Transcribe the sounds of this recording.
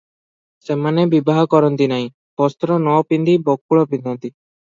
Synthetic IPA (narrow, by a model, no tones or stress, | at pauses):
semanebibaɦɔkɔɾɔnt̪inaɦĩ | pɔst̪ɾɔnɔpind̪ibɔkːuɭɔpĩnd̪ɔnt̪i